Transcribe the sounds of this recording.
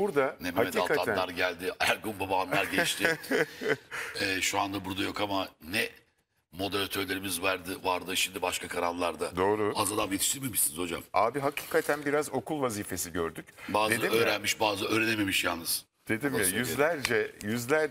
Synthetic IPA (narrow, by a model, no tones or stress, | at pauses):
buɾd̪anemhamed̪alkʰat̪anæaɾɟælʲd̪ɪæɾɡumbabaːnlaɾɟɛt͡ʃt̪ʰɪ | ɛːʃuand̪abuɾd̪ajo̞kamanɛ | mo̞d̪eɾat̪ʰøɾlʲe̞ɾimizvæɾd̪ɯvaɾd̪ɯʃimd̪ibaʃkʰakʰaɾanlˠaɾd̪ad̪o̞ːɾuazad̪amjet̪ʰi̥ʃt̪ʰiɾmemiʃsinizhod͡ʒa̰maːbiɦacʰi̥ːkʰat̪ʰænbiɾazo̞kʰulˠvaziːfe̞siɟøɾd̪ycbaːzd̪imøːɾænmiʃbaːzɯøːɾeneme̞miʃjalˠnɯz̥ | d̪̥e̞d̪imjajyzlʲæɾd͡ʒɛjyzlʲæɾ